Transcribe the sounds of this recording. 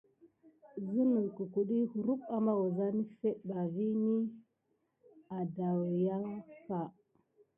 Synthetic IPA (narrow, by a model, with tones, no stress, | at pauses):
zi˦nə˨ku˨ku˨ɗi˦hu˨ɾu˦ka˨ma˦wu˨za˦ni˦fe˦ɗba˨vi˦ni˦ | a˨da˨wja˦fa˨